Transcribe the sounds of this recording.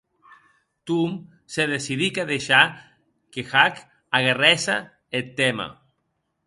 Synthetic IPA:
t̪um | seðesiðikaðeʃa | kexak | aɣarɛsa̰ | et̪ːema̰

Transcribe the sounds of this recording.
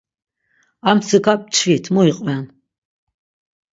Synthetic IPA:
amsɨkapʼt͡ʃʰvit̪ʰmuiqʼvɛn

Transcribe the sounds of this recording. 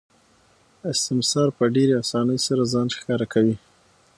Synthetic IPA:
ɪst̪ɪmsɑɾpəɖeɾeasɑnəjsaɾazɑnxkɑɾakʰawi

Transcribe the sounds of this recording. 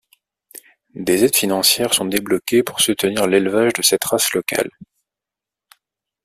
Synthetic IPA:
d̪ezɛd̪finɑ̃sjɛʁsɔ̃d̪eblɔkʲepuʁsut̪əniʁlelvaʒd̪əsɛt̪ʁaslɔka̰l

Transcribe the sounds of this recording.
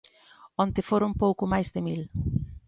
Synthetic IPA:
ont̪eɪfoɾʊmpowkʊmajzðɪmil

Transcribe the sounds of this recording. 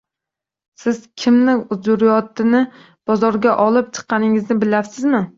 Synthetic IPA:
sɪz̥kʲʰɪmnɪʊzd͡ʒʊɾjɒt̪ɪnɪ | b̥ɒzɒɾɡʲaʔɒlˠɪp̚t͡ʃʰɨ̥qʰːɑnɪŋɪznɪbɪlaɾsɪzmɪ

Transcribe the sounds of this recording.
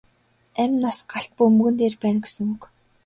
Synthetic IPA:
æmʲnasɢaɬt̪̚puɵmɵ̆ɣɘ̆nt̪eːrpæːnɡe̥sɘ̆ŋuk

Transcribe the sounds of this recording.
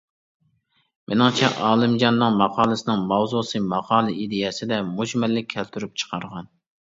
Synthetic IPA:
mʔenɪŋt͡ʃʰɛ̰ʔɑːlˠɪmd͡ʒɑnːɨŋmɑqʰɑːlˠɨsɪnɨŋmɑwzusɨmɑqʰɑːlˠɨʔid̪ɪjɛsɪd̪ɛmud͡ʒmɛlːɪkʲʰːɛlt̪ʰyɾyp̚t͡ʃʰə̥qʰɑɾʁɑn

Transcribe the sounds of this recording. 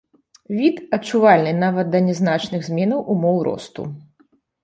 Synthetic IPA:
vʲit̪ɐtt͡ʂːuvalʲnɨnavɐt̪̚d̪ɐnʲɛznat͡ʂnɨɣzʲmʲɛnɐwʔumɔwɾɔ̰st̪ṵ

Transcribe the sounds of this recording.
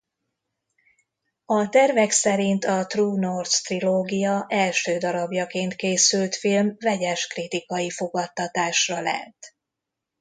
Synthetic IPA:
ɒt̪ɛrvɛksɛɾint̪ɒt̪ruːnort̪st̪riloːɡijɒʔɛlʃøːd̪ɒɾɒbjɒkeːnt̪keːsylt̪filmvɛɟɛʃkrit̪ikɒjifo̞ɡɒt̪ːɒt̪aːʃrɒlɛ̰t̪

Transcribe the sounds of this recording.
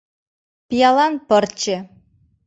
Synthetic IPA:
pʲijɑlˠɑnpɤrt͡ɕĕ

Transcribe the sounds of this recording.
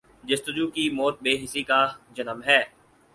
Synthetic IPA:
d͡ʒɐst̪əd͡ʒuːkimɔːt̪̚beːɦɪsikad͡ʒɐnəmɦɛː

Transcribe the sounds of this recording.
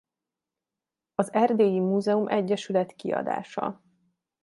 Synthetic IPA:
ɒzɛrd̪eːjimuːzɛumʔɛɟːɛʃylɛt̪kiɒ̰d̪a̰ːʃɒ̰

